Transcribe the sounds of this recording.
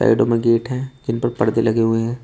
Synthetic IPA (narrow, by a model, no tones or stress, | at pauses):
a̰ːɪɖõmẽɡeːʈɦɛ̃ːd͡ʒɪnpɐɾpɐɽd̪elɐɡeɦʊeɦɛ̃ː